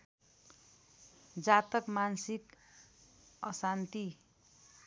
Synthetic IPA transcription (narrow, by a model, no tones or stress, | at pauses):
d͡zat̪ʌkmansik | ʌsant̪i